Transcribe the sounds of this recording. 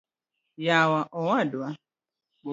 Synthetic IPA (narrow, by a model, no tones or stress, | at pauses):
jawaʔɔwadwa